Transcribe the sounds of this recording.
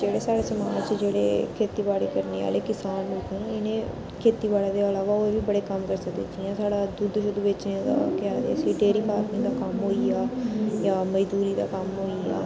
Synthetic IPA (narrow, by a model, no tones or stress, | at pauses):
d͡ʒeːɽeːsaːɽeːsəmaːt͡ʃd͡ʒeːɽḛːkʰeːt̪iːbaːɽḭːkəɾnḛːʋa̰ːleːkɪsaːnɪt̪ʰoːnãɪnẽː | kʰeːt̪iːbaːɽaːd̪eːəlaːʋaːoːeʋiːbəɽeːkəmkəɾsək̚d̪ḛːt͡ʃʰiãːsaːɽaːd̪ʊd̪ʃʊd̪uʋɪt͡ʃneːd̪a̰ːkɪaːd̪ḛːəsiɖeːɾiːpaːɾnɪŋd̪aːkəmɦoːiaːjaːməd͡ʒzuːɾiːd̪a̰ːkəmɦoːiːa̰ː